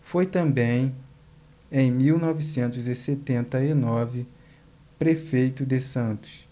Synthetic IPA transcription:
fojt̪ɐ̃mbẽj̃ | ẽj̃miwnɔvisẽnt̪ʊzɪset̪ẽnt̪ɐinɔvɪ | pɾefejt̪ʊd̪ɪsɐ̃nt̪ʊ̥s

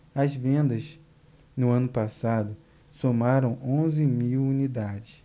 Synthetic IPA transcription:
ɐzvẽnd̪ɐs | nʊɐ̃nʊpasad̪ʊ | somaɾɐ̃w̃õzɪmiwunid̪ad͡ʒɪs

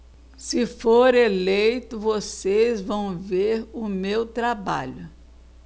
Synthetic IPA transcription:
sɪfoɾelejt̪ʊvosezvɐ̃w̃veɾʊmewt̪ɾaba̰ʎʊ

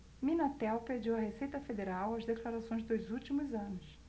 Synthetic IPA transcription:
mĩnat̪ɛwped͡ʒiwɐhesejt̪ɐfed̪eɾawɐzd̪eklaɾasõj̃zd̪ojzuwt͡ʃimʊzɐ̃nʊs

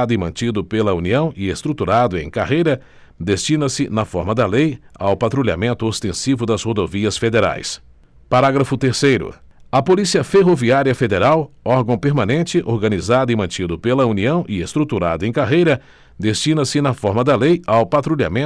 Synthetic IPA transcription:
d̪ʊɪmɐ̃nt͡ʃid̪ʊpelɐuniɐ̃w̃ɪest̪ɾut̪uɾad̪ʊẽj̃kaɦejɾɐ | d̪est͡ʃinɐsɪnɐfɔɾmɐd̪ɐleja̰wpat̪ɾulia̰mẽnt̪ʊost̪ẽsivʊd̪ɐzhod̪oviɐsfed̪eɾa̰js | paɾaɡɾɐfʊt̪eɾsejɾʊ̰ | ɐpolisiɐfeɦoviaɾiɐfed̪eɾawɔɾɡɐ̃w̃peɾmãnẽnt͡ʃɪʔoɾɡɐnizad̪ʊɪmɐ̃t͡ʃid̪ʊpelɐuniɐ̃w̃ʔɪest̪ɾut̪uɾa̰d̪ʊẽj̃kaɦejɾɐ | d̪est͡ʃinɐsɪnɐfɔɾmɐd̪ɐlejawpat̪ɾulia̰mẽ

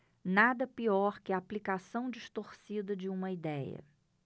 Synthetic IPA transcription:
nad̪ɐpiɔɾkɪɐːplikasɐ̃w̃d͡ʒist̪oɾsid̪ɐd͡ʒɪũmɐid̪ɛjɐ̰

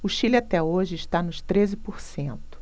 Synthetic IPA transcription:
ʊʃilat̪ɛoʒɪːʃt̪anʊʃt̪ɾezɪpoɾsẽnt̪ʊ̥

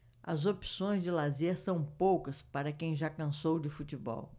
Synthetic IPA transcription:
ɐ̰zopi̥sõj̃zd͡ʒɪlazeɾsɐ̃w̃powkɐspaɾɐkẽj̃ʒakɐ̃sowd͡ʒɪfut͡ʃɪbɔ̰w

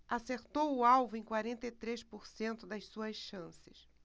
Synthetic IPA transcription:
aseɾt̪owʊawvʊẽj̃kwaɾẽnt̪ɐit̪ɾeʃpoɾsẽnt̪ʊd̪ɐjssuɐsʃɐ̃sɪ̥s

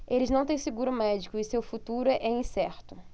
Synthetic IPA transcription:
elɪznɐ̃w̃t̪ẽj̃sɪɡuɾʊmɛd͡ʒikʊɪsewfut̪uɾʊɛʔɛĩsɛɾt̪ʊ

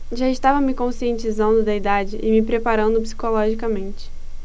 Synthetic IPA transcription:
ʒaɪʃt̪avɐmɪkõsiẽnt͡ʃizɐ̃nd̪ʊd̪ɐid̪ad͡ʒɪʔɪmɪpɾepaɾɐ̃nd̪ʊpsi̥kolɔʒikɐmẽnt͡ʃɪ̥

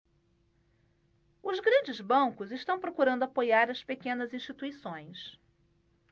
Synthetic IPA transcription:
ʊzɡɾɐ̃nd͡ʒɪzbɐ̃ŋkʊzɪʃt̪ɐ̃w̃pɾokuɾɐ̃nd̪ʊapojaɾɐspekẽnɐzĩʃt͡ʃit̪uisõj̃s

